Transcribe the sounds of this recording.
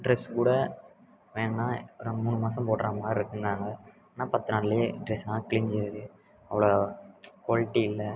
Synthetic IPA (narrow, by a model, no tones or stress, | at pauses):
ɖɾɛskuːɽɐ | ʋeːŋɡɐnaːɾɔnd̪ɐmuːɳɯmaːsɐ̃mpoːʈːɾʔaːmaːdɪɾɯkːɯnd̪aːŋɡɐː | naːpɐt̪ːɯnaːɽleɖɾɛsãːkɪlɪɲd͡ʒɪɾðɯ | ɐʋɐɭokoːlɪʈːiɪlːɐ